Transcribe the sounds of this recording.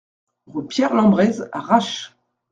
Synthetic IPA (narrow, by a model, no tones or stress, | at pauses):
ʁypjɛʁlɑ̃bʁɛza̰ʁaʃ